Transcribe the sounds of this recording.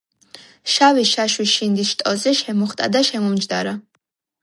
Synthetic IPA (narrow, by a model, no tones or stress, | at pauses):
ʃawiʃaʃwiʃind̪isʃt̪ʼɔzɛʃɛmɔχt̪ʼa̰d̪aʃɛmɔmd͡ʒd̪aɾa